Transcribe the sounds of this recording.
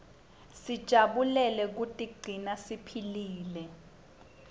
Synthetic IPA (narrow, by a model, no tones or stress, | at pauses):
sid̥ʒ̥ʱaɓulɛlɛk̬utʼiɡ͡ǀ̥ʱinasipʰiliːlɛ